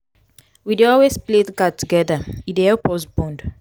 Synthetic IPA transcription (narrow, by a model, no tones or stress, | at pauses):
wideɔlwespletɡadtuɡɛðəideɛpɔsbɔ̃nd